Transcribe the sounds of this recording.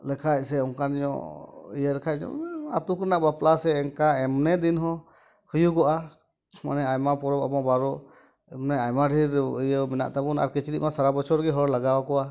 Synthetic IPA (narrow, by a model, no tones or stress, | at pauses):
lɛkʰac̚ˀsɛɔŋkaniɲɔ̰ʔijəɾɛkʰac̚ɲɔ̰a̰t̪ukɛnaʔbaplasɛːŋkaɛmnɛd̪inɦɔ̃ | hujuɡɔʔa | ma̰nɛajmapɔɾɔba̰mabaɾɔ | ɛmnɛajmaɖʱiɾijəmina̰ʔt̪abɔna̰ɾkɛt͡ʃiɾiʔ̚masaɾabɔt͡ʃʰɔɾɡɛɦɔɾlaɡawakɔwa